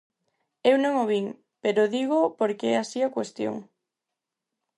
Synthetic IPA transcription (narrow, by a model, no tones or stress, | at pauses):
ewnõŋoβiŋ | peɾoðiɣopoɾkeɛasiakwest̪jo̰ŋ